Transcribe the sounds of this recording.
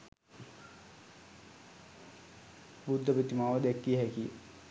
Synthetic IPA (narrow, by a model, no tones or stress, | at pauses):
bud̪ʱːɐpit̪imaːʋɐd̪ekːiɦeki